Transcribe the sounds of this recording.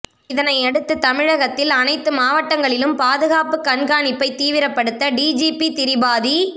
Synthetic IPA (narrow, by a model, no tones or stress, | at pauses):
ɪðɐnɐɪɛɽɯt̪ːɯt̪ɐmɪɻɐɣɐt̪ːɪlɐnɐɪt̪ːɯmaːʋɐʈːɐŋɡɐɭɪlɯmpaːðɯɣaːpɯkːɐɳɡaːnɪpːɐɪt̪iːʋɪɾɐpːɐɽɯt̪ːɐɖiːd͡ʒiːpit̪ɪɾɪbaːði